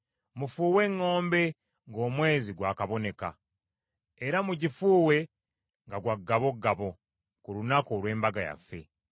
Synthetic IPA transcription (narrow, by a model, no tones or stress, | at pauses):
mufuːwe̞ŋːo̞ːmbe̞ | ŋɡo̞ːmwe̞ːziɡwaːkaβo̞ne̞ka̰ | eɾamuɟifuːwe̞ | ŋɡaɡwaɡːaβo̞ɡaβo̞ | kulunakoːlwe̞ːmbaɡaja̰fːe̞̰